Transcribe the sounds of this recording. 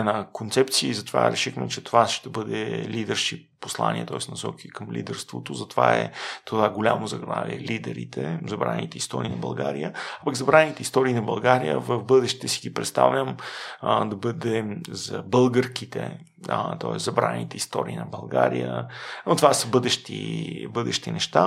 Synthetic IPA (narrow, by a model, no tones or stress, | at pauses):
ɛnakont̪sɛpt̪siəizɐt̪ova̰ɾɛʃixmɛt͡ʃɛt̪ovaʃt̪ɛbɤd̪ɛlid̪ɛɾʃipːoslˠa̰nʲiɛt̪ɔɛsnɐsɔkikəmlʲid̪ɛɾst̪vot̪ozɐt̪ovaɛ̰t̪ovaɡolʲamozɐɡɾˠa̰vʲiɛlid̪ɛɾit̪ʰɛzɐbɾanit̪ɛist̪ɔɾiːnɐbɐlˠɡaɾijəapaɡzɐbɾanit̪ɛist̪ɔɾinɐbɐlˠɡaɾijə̰vəvbɤd̪ɛʃt̪ɛsiɡipɾɛt̪st̪a̰vʲjəm | d̪ɐbɤd̪ɛzɐbɤlˠɡəɾkit̪ɛ̰ | t̪ɔɛszɐbɾanit̪ɛist̪ɔɾiːnɐbɐlˠɡaɾijənot̪ovasəbɤd̪ɛʃt̪ibɤd̪ɛʃt̪inɛʃt̪a